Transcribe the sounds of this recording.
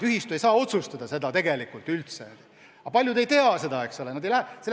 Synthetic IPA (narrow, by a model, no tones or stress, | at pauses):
yɦist̪ye̞jsɑːo̞t̪sust̪ɑd̪̥ɑse̞d̪ɑt̪e̞ɡelikult̪ːˑylt̪se | ɑpɑlʲjud̪e̞jt̪e̞ɑse̞d̪ɑe̞kso̞lenɑd̪ejlæse